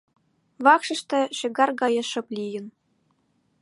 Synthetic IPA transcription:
βɑkʂɤ̆ʃt̪ĕʃĕɡɑrɡɑjɤ̆ʃɤ̆plʲijə̆n

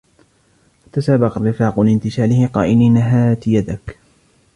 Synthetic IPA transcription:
wat̪asaːbɑqɑrːɪfaːqʊlɪnt̪ɪʃaːlɪhɪqɑ̰ːʔɪniːnaɦaːt̪ɪjad̪ak

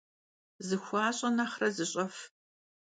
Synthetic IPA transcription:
zɨxʷɑːɕʼɐnaχrɐzɨɕʼɐf

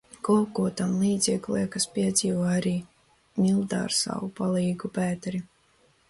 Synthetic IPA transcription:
kɔkuɔt̪amlˠiːd̪zʲikliɛkaspʲiɛd̪zʲiːvaːaɾiː | mʲilˠd̪a̰ːɾsa̰wupalˠiːɡupæːt̪ɾi

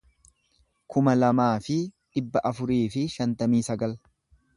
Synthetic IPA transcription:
kʊmɐlɐmaːfɪᶑɪbːɐʔɐfʊɾiːfɪʃɐnt̪ɐmiːsɐɡɐl

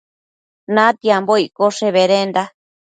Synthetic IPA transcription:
nãt̪iamboikoʂeβeɾend̪a

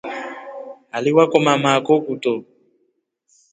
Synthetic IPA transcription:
aliwakɔmamakɔkutɔ

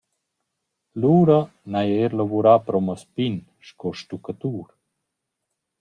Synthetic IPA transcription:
luːɾa | najaeɾlavuɾapɾɔmaspin | ʃkɔʃt̪ukat̪uːɾ

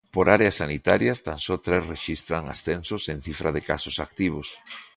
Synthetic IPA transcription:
poɾaɾeasanit̪aɾjast̪ansɔt̪ɾɛsreʃist̪ɾaŋa̰sθensʊsen̟θifɾaðɪkasʊsak̚t̪iβ̞os

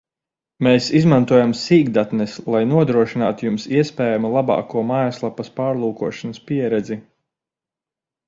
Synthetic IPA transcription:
meːsizmant̪uɔjamsiːɡd̪at̪nɛslˠajnuɔd̪ɾuɔʃinaːt̪jumsiɛspɛːjamulˠabɑ̰ːkuɔmaːjaslˠapːɐspaːɾlˠuːkuɔʃanɐspiɛɾɛd̪zi

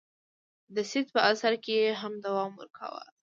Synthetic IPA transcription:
d̪əsɪd̪̚pəasaɾkeeɦamd̪awɑmwə̰ɾkʰa̰wə̰l

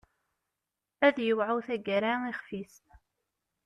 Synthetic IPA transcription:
æðjəwʕuwθæɡɾaiχfis

